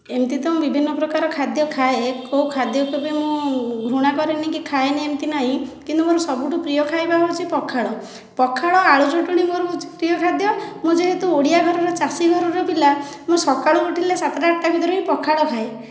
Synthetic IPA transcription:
emt̪it̪ɔmũbibʱinːɔpɾɔkaɾɔkʰad̪jɔkʰaekoukʰad̪jɔkʰubemũɡʱɾuɽ̃akɔɾenikikʰaeniemt̪inaɦĩkint̪umoɾusɔbuʈupɾijɔkʰajbaɦot͡ʃʰipɔkʰaɭɔ | pɔkʰaɭɔaɭud͡ʒoʈuɽ̃imoɾupɾijɔkʰad̪jɔmũd͡ʒeɦet̪uoɽijaɡʱɔɾɔɾɔt͡ʃasiɡʱɔɾɔɾɔbila | mũsɔkaɭukuʈʰilesat̪ɾaːʈːabʱid̪ɔɾɔipɔkʰaɭɔkʰae

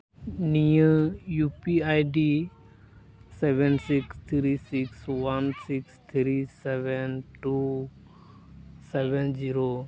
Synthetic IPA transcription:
nijə̃jupiajɖi | sɛʋɛnsikst̪ʰɾisikswansikst̪ʰɾisɛʋɛnʈu | sɛʋɛnd͡ʒiɾo

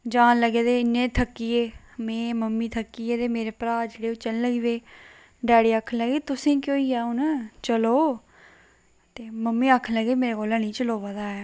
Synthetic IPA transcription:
d͡ʒaːnləɡeːd̪eːɪnːẽːt̪ʰəkːiːeː | mẽːməmːiːt̪ʰəkːiːeːd̪eːmeːɾeːpɾaːd͡ʒeːɽeːʊt͡ʃənləɡiːʋeː | ɖɛːɽiːaːkʰːənləɡeːt̪ʊsĩːkjoːiːaːont͡ʃəloː | t̪eːməmːiːaːkʰənləɡeːmeːɾeːɡoːlanĩːt͡ʃəloːʋəd̪aːɛː

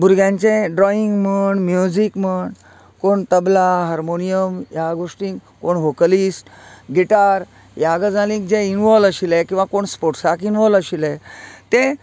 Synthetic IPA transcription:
bʱuɾɡjãɲt͡ɕẽɖɾɔiŋɡməɳmjud͡ʑikməɳ | koɳt̪əblaɦəɾmonijəmjaɡoʂʈĩːk | koɳʋokəlisʈɡiʈaɾ | jaɡəd͡zalĩk̚d͡ʑeinʋɔləɕilekĩw̃ʋakoɳspoʈsakinʋɔləɕilet̪e

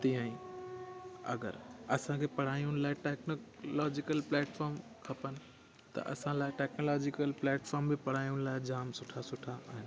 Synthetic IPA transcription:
t̪ijãːĩ | ɐ̰ɡə̰ɾɐsãkʰeːpɐɽ̤aːiʊñlaːɪʈɛːknolɔːd͡ʑɪkəlplɛːʈfɔːɾm | kʰɐpənɪ̆ | t̪ɐ̰ʔɐ̰sãlaːɪʈɛːknoːlɔːd͡ʑɪkəlplɛːʈfɔːɾmbɪpɐɽ̤aːiʊɽ̃laːɪd͡ʑaːmsʊʈʰasʊʈʰaʔaːɦɪnɪ̆

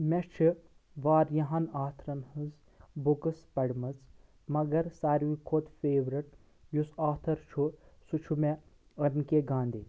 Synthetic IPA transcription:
mʲest͡ʃʰi | ʋaːɾjɐɦɐnaːt̪ʰɾɐnhɨz | bukɐspɐɽmɐt͡s | mɐɡɐɾsaːɾʋikʰot̪feːʋɾiʈ̚ | jusaːt̪ʰɐɾt͡ʃʰusut͡ʃʰume | ɐɾnkeɡãːnd̪i

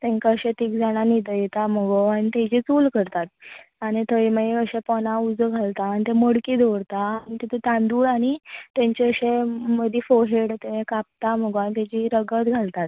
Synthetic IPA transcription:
t̪ẽŋkaəɕet̪iːkd͡zaɽ̃anid̪əjet̪am̤əɡoañit̪ẽd͡ʑit͡suːlkəɾt̪at̪̚aɽ̃it̪ʰəiməeəɕẽpɔnaud͡zəɡʱalt̪aːnit̪eməɽkid̪ʱoʋɽt̪aːɽ̃it̪et̪ʰet̪ãnd̪uːɽaɽ̃it̪jẽɲt͡ɕeəɕeməd̪ʱifoɦeɽt̪eʋẽkap̚t̪am̤əɡoanit̪ed͡ʑiɾəɡət̪ɡʱalt̪at̪̚

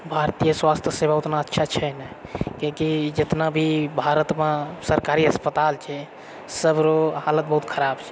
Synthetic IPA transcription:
bʱaɾt̪ijəswast̪ʰjəsebaut̪naətːʃʰat͡ʃʰɛnɛkĩkid͡ʒet̪nabʱibʱaɾət̪mãsəɾkaɾiəspət̪alt͡ʃʰɛ | səbɾohalət̪̚bəɦut̪kʰəɾabt͡ʃʰɛ̥

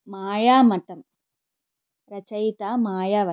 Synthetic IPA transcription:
maːjaːmɐt̪ɐm | ɾɐt͡ʃɐjt̪aːmaːjaːʋɐ

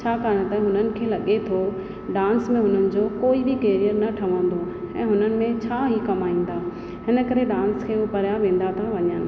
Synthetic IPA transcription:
t͡ɕʰaːkaːəɽ̃t̪ãɦʊnənɪ̆kʰeːlɐɠet̪ʰo | ɖãːnsmẽɦʊnənɪ̆d͡ʑokoːibɪkeːɾijəɾnɐʈʰɐʋə̃nd̪o | ɛ̰̃ːɦʊnənɪ̆mẽt͡ɕʰaːɦikɐmaːĩːn̆d̪aː | ɦɪnə̆kɐɾeɖãːnskʰeːopɐɾjaʋẽːn̆d̪at̪ʰaʋɐɲənɪ̆

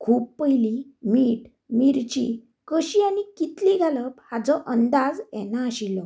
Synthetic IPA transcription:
kʰuːppəjlimiːʈ | miɾt͡ɕḭ | kəɕianikit̪liɡʱaləphad͡zɔʔənd̪ad͡zɛ̰naːɕilɔ

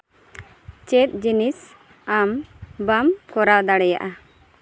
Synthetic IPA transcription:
t͡ʃɛt̪̚ˀd͡ʒinis | ambamkɔɾawd̪aɽɛja̰ʔa

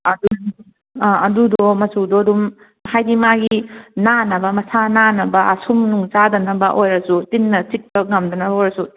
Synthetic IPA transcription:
ɐdu | aɐdudɔmɐsudɔdum | hajdimaɡinanɐbɐmɐsananɐbɐʔɐsʰumnuŋt͡ʃadɐnɐbɐʔojɾɐsutinːɐt͡ʃik̚pɐŋɐmdɐnɐbɐojɾɐsu

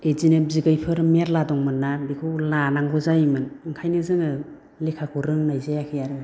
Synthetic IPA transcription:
ezinebziɡɯjpʰɯɾmeɾladɔŋmɯnːabikʰɯwlanaŋbɔzajmɯnɯŋkʰajnɯzɯŋɯ | lekʰakʰuɾɯŋnajzejakʰɯjaɾɯ

